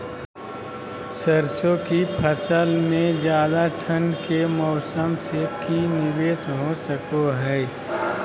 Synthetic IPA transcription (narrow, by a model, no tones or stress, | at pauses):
səɾsõkipʰəsəlmẽd͡ʒjaːd̪aʈʰənkemɔːsəmsekinɪʋeːsɦosəkoɦɛː